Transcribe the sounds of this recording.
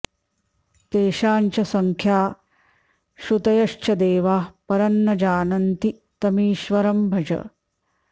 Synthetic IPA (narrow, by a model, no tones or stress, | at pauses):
t̪eːʃaːnt͡ʃɐsɐŋkʰjaː | ʃut̪ɐjɐʃt͡ʃɐd̪eːʋaːpɐɾɐnːɐd͡ʒaːnɐnt̪i | t̪ɐmiːʃʋɐɾɐmbʱɐd͡ʒɐ̰